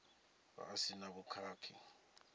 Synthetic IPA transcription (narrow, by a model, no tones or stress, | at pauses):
ɓa̰ːsinabukʰaːkʰḭ